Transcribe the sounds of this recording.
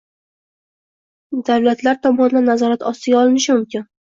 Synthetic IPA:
d̪awlat̪laɾt̪ʰɒmɒnd̪anːazɒɾat̪ʰɒst̪ɪɡʲaɒlˠɪnɪʃɪmʊmkʲɪn

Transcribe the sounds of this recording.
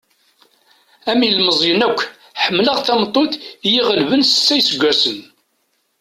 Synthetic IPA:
æmilməzˤjənækʷː | ħəmːləʁθæmt̪ˤːoθjiʁəlvənsə̥t͡sːæjsəɡʷːæsən

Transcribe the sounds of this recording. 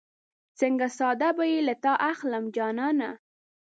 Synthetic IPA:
t͡səŋɡasɑd̪abajilat̪ɑʔaxləmd͡ʒɑnɑna

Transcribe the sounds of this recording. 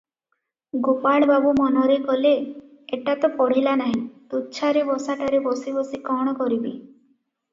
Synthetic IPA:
ɡopaɭbabumɔnɔɾekɔle | eʈat̪ɔpɔɽ̤ilanaɦĩt̪utːt͡ʃʰaɾebɔsaʈaɾebɔsibɔsikɔɽ̃ɔkɔɾibi

